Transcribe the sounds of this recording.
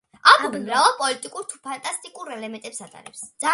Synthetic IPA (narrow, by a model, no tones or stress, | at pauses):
akʰubmɾavapʼɔlit̪ʼikʼuɾt̪ʰu̥pʰant̪ʼast̪ʼikʼuɾɛlɛmɛnt̪ʼɛpsat̪ʼa̰ɾɛ̰psd̪z̥a